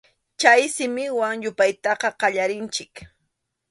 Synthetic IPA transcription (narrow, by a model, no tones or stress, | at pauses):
t͡ʃajsɪmɪwaŋjʊpajt̪ɑqɑqɑʎaɾɪnt͡ʃɪk